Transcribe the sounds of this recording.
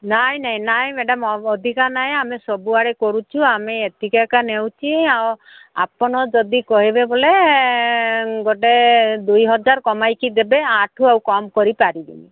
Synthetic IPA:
naɦĩnaɦĩnaɦĩmeɖɔmɔɔd̪ʱikanaɦẽamesɔbuaɽekɔɾut͡ʃʰuameet̪ikakanew̃t͡ʃʰiaw | a̰pɔɽ̃ɔd͡ʒɔd̪ikɔɦibebole | ɡoʈed̪ujɦɔd͡ʒaɾkɔmajkid̪ebeaʈʰuawkɔmkɔɾipaɾid̪ḭni

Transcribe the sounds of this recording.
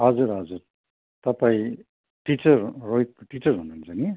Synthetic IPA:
ɦʌd͡zuɾɦʌd͡zuɾ | t̪ʌpaĩ | ʈit͡sʌrːoit̪̚ʈit͡sʌrɦunuːnt͡sʰʌni

